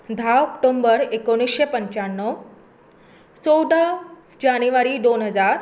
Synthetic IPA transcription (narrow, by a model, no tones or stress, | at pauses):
d̪ʱaɔkʈombəɾekoɽ̃isɕepəɲt͡ɕaɳːɔ | t͡sɔwɖ̪a | d͡ʑanuʋaɾid̪onɦəd͡zaɾ